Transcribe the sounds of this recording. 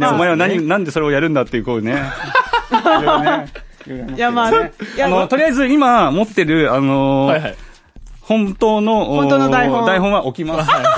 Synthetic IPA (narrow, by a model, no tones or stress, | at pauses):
nomaeanaɲ̟inãnd̪e̞so̞ɾeo̞jaɾɯ̟̃nd̪at̪ːeiɯ̟koɯne | ajamaanot̪o̞ɾʲiaizɨimamo̞t̪ːe̞ɾɯ̟ano̞ | hõ̞nt̪o̞ːno̞oõood̪aiõd̪aiɦõ̞ɰ̃βaʔo̞kʲimas